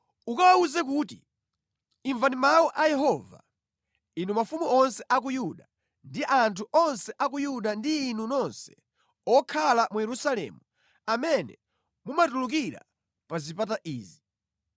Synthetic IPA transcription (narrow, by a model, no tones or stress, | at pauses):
ukawauzɛk̬uːtḭ | iɱvanimawɔʔajɛɦɔva̰ | inumafumuɔnsɛʔak̬ujuɗa | ndiʔantʰuʔɔnsɛʔakujuɗandiːnunɔnsɛ̥ | ɔkʰalamujɛɾusalɛ̰mu | amɛnɛ̰ | mumatuluk̬iɾa̰ | pazipat̬aʔiːzi